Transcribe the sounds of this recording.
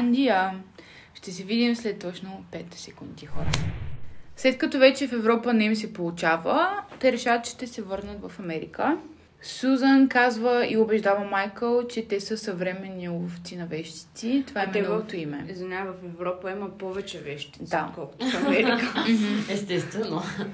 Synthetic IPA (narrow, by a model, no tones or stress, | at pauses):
nd̪ijə | ʃt̪ɛs̬ɛvid̪imslɛt̪ːɔt͡ʃnopɛt̪sɛkund̪ixɔɾə̰ | slɛt̪̚kɐt̪ɔvɛt͡ʃɛfɛvɾɔpənɛims̬ɛpolˠut͡ʃavət̪ɛɾɛʃavət̪t͡ʃʃt̪ɛsɛvɤɾnət̪vɐfɐmɛɾḭkə | suzənkazvəiobɛʒd̪avəmajkəlˠt͡ʃɛt̪ɛsəsɐvɾɛmɛnːiulˠoft̪sinɐvɛʃt̪i̥t̪sit̪ovaɛmɛɛɔvot̪oimɛzɐnʲavɐfɛvɾɔpəiməpɔvɛt͡ʃɛvɛʃt̪id̪akɔlˠkʊ̥t̪ofɐmɛɾikəm̩m̩ɛst̪ɛst̪vɛno